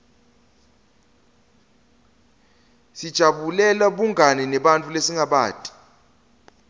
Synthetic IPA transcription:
sid̥ʒ̥ʱaɓulɛlaɓuŋʱanɛnɛɓant͡fʼulesiŋɡʱaɓa̰ːtʼi̥

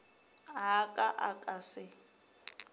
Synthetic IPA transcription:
ɦakʼaʔakʼasɪ

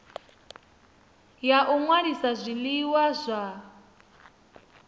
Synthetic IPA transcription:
jaʔuŋwaɾisazʷiliwazʷa

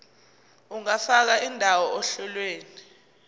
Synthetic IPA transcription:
uŋafak̬aindʱawɔɔɬɔlweːni

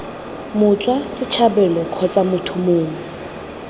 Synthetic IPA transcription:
mʊt͡sʼwasɪt͡ʃʰabɛlɔkʰɔt͡sʼamʊtʰʊmʊːŋɛ

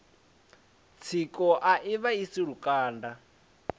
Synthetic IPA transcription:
t͡sʰikʼɔʔaʔiβaisiɺukʼaːnda

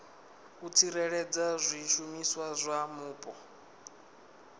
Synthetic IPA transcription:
ut͡sʰiɾɛɺɛd͡zazʷiʃumiswazʷamuːpʼɔ

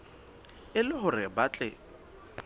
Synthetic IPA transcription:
ɪlɪɦʊrɪbat͡ɬʼɪ

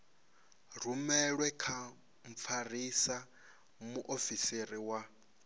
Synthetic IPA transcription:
r̤umɛɺwɛkʰa | m̩p̪fʰarisa | muʔofiseriwa

